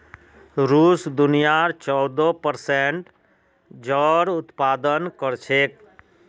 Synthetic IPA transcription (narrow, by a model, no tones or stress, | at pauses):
ɾuːsd̪ʊnijaɾt͡ʃɔd̪opəɾseɳʈ | d͡ʒɔːɾʊt̪paːd̪ənkəɾt͡ʃʰek